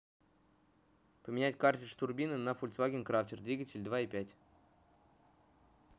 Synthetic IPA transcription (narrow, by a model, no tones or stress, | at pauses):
pəmʲɪnʲætʲkartʲɪʂt̪ʊrbʲinɨnəfʊlʲtsvaɡʲɪnkɾaftʲɪrd̪vʲiɡətʲɪlʲd̪vaipʲætʲ